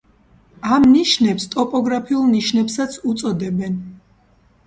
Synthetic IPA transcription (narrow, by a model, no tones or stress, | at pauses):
amniʃnɛpst̪ʼɔpʼɔɡɾapʰiulˠniʃnɛpsat̪sʰut̪sʼɔd̪ɛbɛn